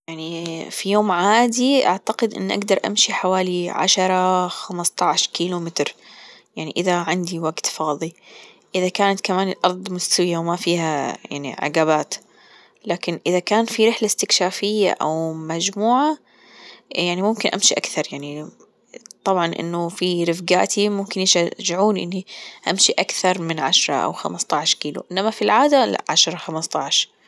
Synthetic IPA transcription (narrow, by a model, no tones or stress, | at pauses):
jaʕnifijoːmʕaːd̪iʔa̰ʕt̪aqɪd̪ʔɪ̰nːʔa̰ɡd̪ɑɾˤʔa̰mʃiħawaːliʕa̰ʃɑɾˤɑxamst̪ˤɑʕʃkiːlumɪt̪ɾjaʕniʔɪðaʕɪnd̪iwaɡt̪fɑːðˤi | ʔɪðakaːnat̪kamaːnɪlʔɑɾˤd̪ˤmʊst̪awɪjawmafiːhaja̰ʕnḭʕɪ̰ɡaːβaːt̪ | laːkɪnʔɪðakaːnfiɾɪħlast̪ɪkʃaːfɪjːa̰ʔa̰wmad͡ʒmuːʕa | jaʕnimʊmkɪnʔa̰mʃiʔa̰kθɑɾˤjaʕni | t̪ˤɑbʕɑnʔɪ̰nːʊfiɾɪfɡaːʔt̪ʰimʊmkɪnjɪʃaʒɪʕuːnʔɪ̰nːiʔamʃiʔakθɑɾˤmɪnʕaʃɾˤɑ̰ʔa̰wxa̰mast̪ˤɑʕʃkiːlṵʔɪnːamafilʕaːd̪aʕaʃɾˤɑxamɑst̪ˤɑʕʃ